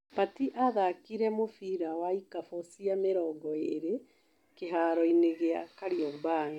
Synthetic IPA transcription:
patiʔaðakiɾɛmofiɾawaikafɔsiameɾɔɡɔeɾe | keɦaːɾɔineɣea̰kaɾiɔbaːŋe

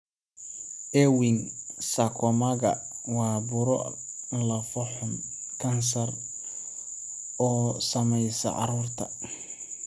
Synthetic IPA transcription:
ʔɛwɪŋsɐkʰɔmɐɣɐ̰wɑːbʊɾɔ̰lɐfɔħʊnkʰɐnsɐr | ɔːsɐmɛjsɐ̰ʔɑ̰ɾuːrt̪ʰɐ

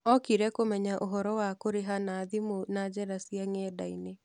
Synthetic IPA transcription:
ɔkiɾɛkomɛɲaʔoɦɔɾɔwakoɾeɦanaðimonad͡ʑɛɾasiaŋɛːdaine

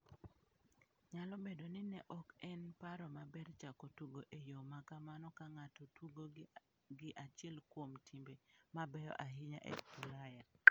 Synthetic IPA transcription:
ɲalɔbedonɪnɛʔɔkɛnpaɾɔmabɛɾt͡ʃakɔtuɡoʔejomakamanɔkaŋatɔtuɡo | ɡɪʔat͡ʃɪɛlkwomtʰimbemabɛjɔ̰ʔaɦɪɲa̰ʔɛ̰pulajɛɾ

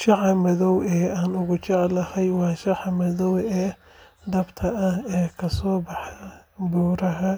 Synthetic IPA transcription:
ʃɐʕɐmɐðɔwɛːaːnʊɣʊt͡ʃɛʕlɐhɛjwɑːʃɐħɐmɐðɔwɛː | d̪ɐbt̪ʰɐʔɐhɛːkʰɐsɔːbɑħɐbuːɾɐɦɐ

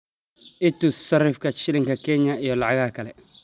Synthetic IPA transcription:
ʔɪt̪ʊssɐrɪfkʰɐʃɪlɪŋkʰɐkʰɛɲɐijɔlɑʕɑɣhɐkʰɐlɛ

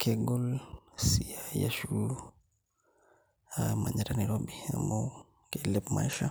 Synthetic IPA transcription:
kɛɡɔlsiaja̰ʃu | amaɲaɾanajɾobiama | kelɛpmaiʃa

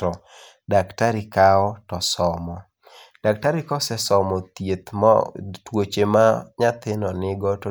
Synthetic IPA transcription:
ɔ | daktaɾɪkaɔtɔsɔmɔ | d̥ak̚taɾɪkɔsɛsɔmɔt̪jet̪mɔ̰twot͡ʃemaɲat̪ɪnɔnɪɡɔt

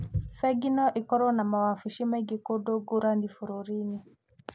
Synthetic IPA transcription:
fɛɡinɔʔikɔɾɔnamawafiʃimaiɡikodoɡuɾandifuɾoɾini

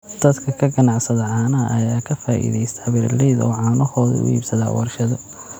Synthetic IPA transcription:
d̪̥ɐd̪kʰɐkʰɐɡɐnɑʕsɐðɐʕɑːnɐɐʔɐjaːkʰɐfaːʔḭðɛjst̪ʰɐβɪrlɛjðɔ̰ːʕɑːnɐhɔːðɐ̰ʊ̰ḭːbsɐða̰ːwɐ̰rʃɐðɐ

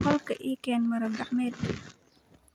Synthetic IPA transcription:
qɔlkʰɐʔiːkʰɛːnmɐɾɐɡaʕmɛːd̪̚

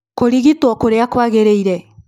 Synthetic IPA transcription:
koɾʲiɡit̪ookoɾejakɯaɡeɾeiɾe

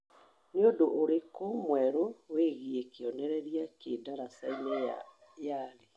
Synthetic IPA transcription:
neodoʔoɾekomwɛɾoweɣiekeɔnɛɾɛɾiakedaɾasainɛ | jaɾe

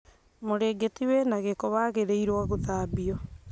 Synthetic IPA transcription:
moɾeɡetiwenaɣekɔβaɣeɾeiɾwaɣoðaːbiɔ

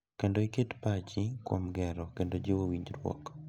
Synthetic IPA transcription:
kendoiketpat͡ʃikwo̰mɡɛɾɔkendod͡ʒewowiɲd͡ʒɾwɔ̰k

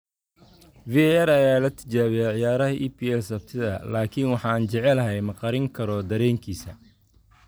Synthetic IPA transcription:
viːɛɾɐjaːlɐt̪ʰɪ̥t͡ʃaːβɪjɛʕɪjaːɾɐɦɐʔiːpʰiɛlsɐb̚t̪ʰɪðɐlaːkʰinwɑħɑːnt͡ʃɛʕɛlɐɦɛjmɐqɑɾɪŋkʰɐɾɔd̪ɐɾɛːŋkʰiːsɐ

